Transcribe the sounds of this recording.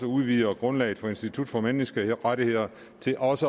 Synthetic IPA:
səuðˠʋḭːɐɡ̥ʁɔ̽nlɛ̰ɪð̩ˠfɒ̽e̝nsd̥it͡sʰud̥fɒ̽menisɡ̥əʁaɾihe̝ð̞̰ˠɐ | t͡sʰe̝lʔɒ̽sə

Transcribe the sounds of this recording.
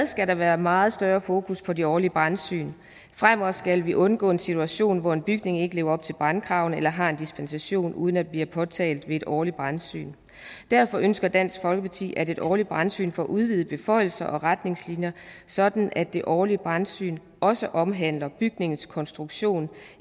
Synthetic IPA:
ð̩ˠsɡ̥æɾɑ̈ʋæːɐmɑ̈ːð̞̩ˠsd̥ɶːɐfo̝ːkʰuspʰɒ̽de̝ɒːliəb̥ʁansy̰ːn | fʁamɒsɡ̥ælʋiʔɔ̽nɡ̥ɔ̰̽ːe̝nsit͡sʰuæɕo̝̰ːnʋɒe̝nb̥yɡ̥ne̝ŋe̝ɡəle̝ːʊɐɒ̽b̥̚t͡sʰe̝lb̥ʁankʰʁɑ̈ʊn̩elɐɦɑ̈e̝nd̥isb̥ensæɕo̝̰ːnʔuːðˠən̩æd̥̚bliːɐpʰɒ̽t͡sʰɛ̰ːld̥ʋe̝e̝d̥ɒːlid̚b̥ʁansy̰ːn | d̥æɐfɒ̽ʔønsɡ̥ɐd̥æn̰sɡ̥fɒ̽lɡ̥əpʰɑ̈t͡sʰḭːæɾe̝d̥ɒ̰ːlid̚b̥ʁansy̰ːnfɒ̰ːʔuðˠʋið̩ˠəb̥e̝fɒ̽ɪ̰l̩sɐʔɒ̽ʁad̥ne̝ŋslinjɐsɒ̽d̥n̩ʔæd̥ːe̝ʔɒːliəb̥ʁɑnsy̰ːn | ʔɒ̽səʔɒ̽mɦæn̰lɐb̥yɡ̥ne̝ŋn̩skʰɒ̽nsd̥ʁuɡ̥ɕo̝̰ːn

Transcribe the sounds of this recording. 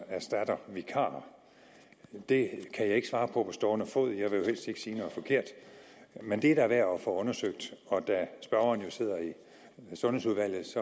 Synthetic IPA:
æsd̥æd̥ɐʋikʰɑ̰̈ː | d̥e̝kʰæjɑ̈ɪe̝ɡ̥əsʋɑ̈ːpʰɒ̽pʰɒ̽sd̥ɒːnəfoð̰ˠjɑ̈ɪʋe̝jo̝hel̰sd̥e̝ɡ̥siːnɔ̽ð̩ˠfɒ̽kʰe̝ɐ̰d̥ | mend̥e̝æɐɾ̥ɑʋæɐ̰ɒfɒ̽ɔ̽nɐsøɡ̥̚d̥ɒ̽d̥æsb̥ɶɐʊɐn̩jo̝se̝ð̞̰ˠɐi | sɔ̽nhe̝suðˠʋæl̰ð̩ˠsɒ̽

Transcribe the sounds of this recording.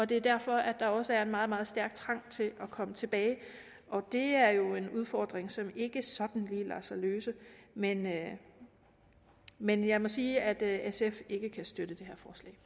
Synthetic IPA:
ɒ̽d̥e̝æɐd̥æɐ̰fɒ̽ʔæd̥ɑ̈ɒ̽səæɐe̝nmɑ̈ːð̩ˠmɑ̈ːð̞̩ˠsd̥æɐɡ̥̚t͡sʰʁɑ̈ŋ̰t͡sʰe̝lʔɒ̽kʰɒ̽mət͡sʰe̝b̥ɛːɪ | ɒ̽d̥e̝æɐjo̝e̝nuð̞ˠfɒ̰ːd̥ʁeŋsɒ̽me̝ɡ̥əsɒ̽d̥n̩liːlɑ̰sɑløːsəmen | menjɑ̈ɪmɒ̽siːæd̥esefe̝ɡ̥əkʰæsd̥øɾ̥əd̥e̝ɦeɐ̰fɒːslɛ̰ː

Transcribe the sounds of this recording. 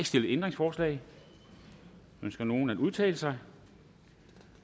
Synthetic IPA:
sd̥e̝ləend̥ʁeŋsfɒːslɛ̰ɪ | ønsɡ̥ɐno̝ːn̩æduð̞ˠt͡sʰɛ̰ːləsɑ̈ɪ

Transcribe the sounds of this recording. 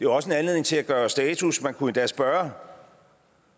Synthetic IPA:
d̥e̝ʋɑ̈ɒ̽səe̝nænle̝ðˠne̝ŋt͡sʰe̝læɡ̥ɶːɐsd̥ɛːt͡sʰusmænkʰuend̥ɛ̰ːsb̥ɶːɐ

